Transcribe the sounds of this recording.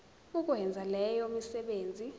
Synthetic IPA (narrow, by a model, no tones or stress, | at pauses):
uk̬ʼwɛnd͡zʱalɛjɔmisɛɓeːnd͡zʱi